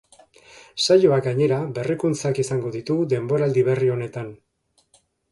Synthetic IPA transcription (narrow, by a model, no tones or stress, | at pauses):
sajo̞aɡaɲe̞ɾaβe̞rikunt͡sakisaŋɡo̞ðit̪uɣd̪e̞mbo̞ɾald̪iβe̞rio̞ne̞t̪an